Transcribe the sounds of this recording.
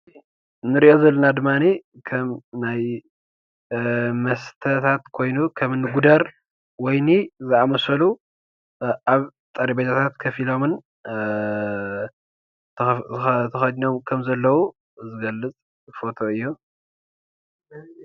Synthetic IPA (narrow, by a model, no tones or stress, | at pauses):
nɨɾiʔo̞zɐlːɐnad̪ɨmːani | kʰɐmnaj | mɐst̪ʰɐt̪ʰat̪kʰo̞jnukʰɐmɨnːɨɡud̪aɾ | wɔjnizɨʔamɐsɐlu | ʔaβt̪ʼɐɾibɐt̪ʰat̪ʰat̪kʰɐfilo̞mɨn | ɨt̪ʰɐxɐd͡ʒɲomkʰɐmzɐlːɐwu | zɨɡɐlːɨt͡sʼ | fo̞t̪ʰo̞ɨjːu